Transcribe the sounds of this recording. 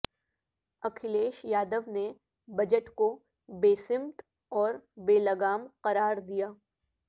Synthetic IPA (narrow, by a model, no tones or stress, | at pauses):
ɐkʰɪleːʃjaːd̪əʋne | bɐd͡ʒəʈko | beːsɪ̃mt̪ | ɔːɾbeːlɐɡaːmqɐɾaːɾd̪ijaː